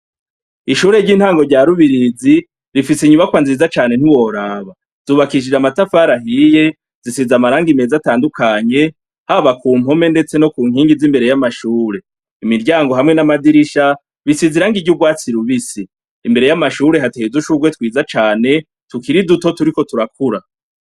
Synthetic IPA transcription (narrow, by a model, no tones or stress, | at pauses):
iʃuːɾe̞ɾɟiːnhaːŋɡo̞ɾɟaːɾuβiɾizi | ɾifisiɲuβakwanziːzat͡ʃaːne̞n̥iwo̞ɾaːβa | z̥uːβakiʃ̬id͡ʒamatafaːɾaɦije̞ | zisizamaɾaːŋɡime̞ːzataːndukʰaɲe̞ | haβakuːm̥o̞me̞nde̞t͡se̞no̞kuːŋɦiːŋɡizimbe̞ɾe̞jamaʃuːɾe̞ | imiɾɟaːŋɡo̞ɦamŋe̞namadiɾiʃa | βisiziɾaːŋɡiɟuɡwaːt͡siɾuβisiː | mbe̞ɾe̞jamaʃuːɾe̞ɦateizuʃuɡwe̞twiːzat͡ʃaːne̞ | tukiɾiduto̞tuɾiko̞tuɾakuɾa